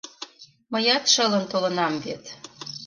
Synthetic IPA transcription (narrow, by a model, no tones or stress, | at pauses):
məjɑt̪ʃɤ̆lə̆nt̪olə̆nɑmvet̪